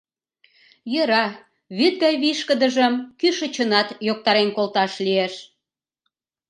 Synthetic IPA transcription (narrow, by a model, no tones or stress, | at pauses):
jə̆ɾɑ | βyt̪̚ɡɑjβiʃkə̆d̪ə̆ʒə̆mkyʃə̆t͡ɕənɑt̪jok̚t̪ɑɾenkolt̪ɑʃlieʃ